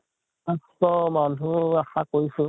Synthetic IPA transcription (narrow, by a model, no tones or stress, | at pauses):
astɔmanuaxakoisʊ